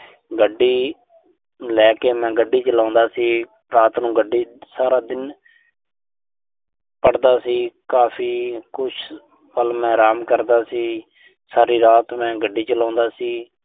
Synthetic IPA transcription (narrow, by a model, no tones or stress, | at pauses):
ɡəɖːiː | lɛːkeːmɛ̃ːɡəɖːiːt͡ʃəlãːnd̪aːsiː | ɾaːt̪nũːɡəɖiːsaːɾaːd̪ɪn | pəɽd̪aːsiːkaːpʰiːkʊt͡ʃʰ | pəlmɛ̃ːɾaːmkəɾd̪aːsiː | saːɾiːɾaːt̪mɛ̃ːɡəɖiːt͡ʃəlãːnd̪aːsiː